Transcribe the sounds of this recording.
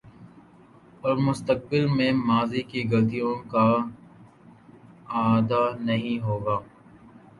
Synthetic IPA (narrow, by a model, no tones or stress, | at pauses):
ɔɾmʊst̪ək̚bɪlmẽmaːzikiɡɐlt̪̬ijõka | aːd̪anɐɦĩɦoːɡaː